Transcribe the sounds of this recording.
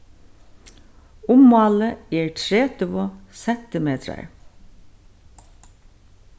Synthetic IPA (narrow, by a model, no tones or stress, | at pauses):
ʊmːɑːləeːɹtʰɹeːt̪əʋɔsɛnt̪əmeːt̪ʰɾə̰ɹ